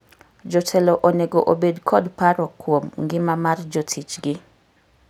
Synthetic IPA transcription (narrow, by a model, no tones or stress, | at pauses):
d͡ʒotʰɛloʔoneɡoʔobedkʰɔdpaɾɔkwomŋɡɪmamard͡ʒotʰit͡ʃɡɪ